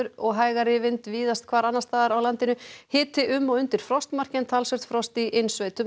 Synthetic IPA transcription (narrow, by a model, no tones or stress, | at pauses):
ʏɾɔɣɦaːjɣaɾɪvɪnt̪viːðast̪̚kʰvaːɾanːast̪θaðɾawlant̪ɪnʏhɪːt̪ɪʔʏmːɔðʏnt̪ɪɾ̥fɾɔst̪mar̥cɛnt̪ʰalsœɾ̥t̪fɾɔst̪iʔejnsveːjt̪ʏ